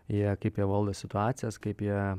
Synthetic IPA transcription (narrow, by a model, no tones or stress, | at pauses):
jiɛkɐɪpjiɛʋɐlˠd̪oːsʲɪt̪ʊɑːt̪sʲɪjɛskɐɪpjiɛ